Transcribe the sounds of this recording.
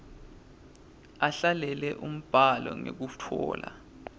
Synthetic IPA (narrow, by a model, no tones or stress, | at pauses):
aɬalɛlɛʔum̩b̥ʱalɔŋek̬utʰɔːla̰